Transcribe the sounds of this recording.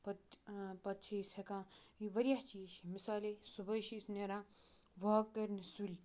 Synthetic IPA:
pɐtpɐt̪ːt͡ʃʰisʰekãːiʋɐɾʲjaɦt͡ʃiʃimisaːlesubɐjʃisneɾãː | ʋokːɐɾnisulʲ

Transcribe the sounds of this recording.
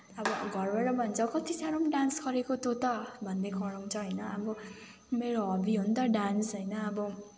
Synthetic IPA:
ʌbʌɡʱʌrbaɾʌbʱʌnt͡sʰʌkʌt̪isaɾomɖansɡʌɾekot̪ot̪ʌbʱʌnd̪ekʌɾaw̃t͡sʰʌɦʌjnʌːbʌ | meɾoɦʌbiɦunt̪ʌɖansɦʌjnʌːbʌ

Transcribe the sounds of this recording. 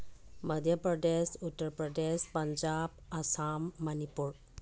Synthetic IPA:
məd̪ʱjəpɾəɖesuʈːəɾpɾəɖespəɲd͡ʑabasamːənipuɾ

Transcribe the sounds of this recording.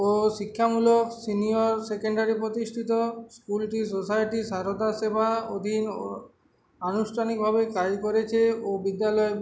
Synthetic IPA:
oʃikʰːamuloksinioɾsekeɳɖaɾipɾot̪iʃʈʰit̪oskulʈis̬osajʈisaɾod̪asebʱaod̪ʱin | anusʈʰanik̚bʱabekad͡ʑkoɾet͡ɕʰeobid̪ːalɔe

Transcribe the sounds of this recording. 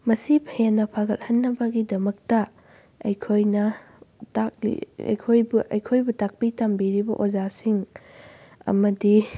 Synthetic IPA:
mɐsipʰɐjanːɐpʰaɡɐt̚hɐnːɐbɐɡidɐmɐk̚tɐ | ɐjkʰojnɐ | tak̚lḭɐ̰jkʰojbuʔɐ̰jkʰojbutak̚pitɐmbiɾibɐʔozasiŋ | ɐ̰mɐdi

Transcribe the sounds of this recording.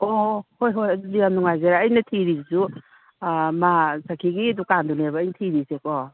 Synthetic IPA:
ohojɦojɐdudijamnuŋajzeɾaːjnɐtʰiɾisu | masakʰiɡiɐdukandunebɐːjntʰiɾisekɔ

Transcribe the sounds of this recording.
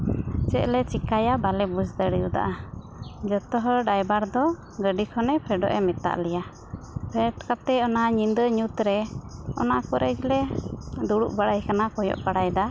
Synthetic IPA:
t͡ʃɛʔlɛt͡ʃikajabalɛbud͡ʒd̪əɽjud̪a̰ʔa | d͡ʒət̪ɔɦɔɖajbaɾd̪ɔ | ɡəɖikʰɔnɛpʰɛɖɔ̰ʔɛ̰mɛt̪a̰ʔlɛja | pʰɛʈkap̚t̪ɛɔnaaɲind̪əɲut̪ɾɛɔ̰nakɔɾɛd͡ʒlɛd̪uɽuʔbaɽajkanakɔjɔ̰ʔbaɽajd̪a

